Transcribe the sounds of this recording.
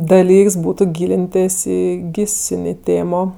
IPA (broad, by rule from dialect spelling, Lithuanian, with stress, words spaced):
dɐˈlʲiːks ˈbuːtʊ ˈɡʲiːlʲɪnʲtʲeːsʲ ˈiː ˈɡʲiːsʲɪnʲeː ˈtʲeːmoː